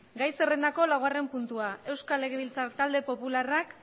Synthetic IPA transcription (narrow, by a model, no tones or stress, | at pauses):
ɡajsere̞nd̪ako̞lawɣare̞mpunt̪uae̞wskale̞ɣ̞eβilt͡sat̪ald̪e̞po̞pularak